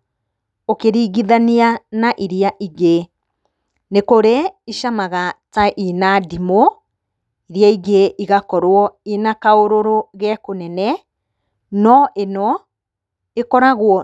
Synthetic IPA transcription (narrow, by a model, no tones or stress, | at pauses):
okeɾiːɣiðanianaʔiɾiaʔiɣe | nekoɾeiʃamaɣataʔinadimo | iɾiaiɣeʔiɣakɔɾwɔenakaoɾoɾoɣɛkonɛnɛ | nɔʔenɔ | ekɔɾaɣwɔ